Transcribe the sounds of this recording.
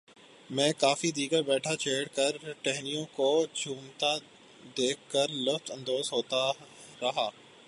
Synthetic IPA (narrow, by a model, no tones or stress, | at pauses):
mɛ̃ːkaːfid̪iːɡəɾbɛːʈʰat͡ʃʰeːɽkəɾʈɛɦnijõkod͡ʒʱuːmt̪a | d̪eːkːəɾlʊft̪ɐ̃nd̪oːzɦoːt̪a | ɾɐɦaː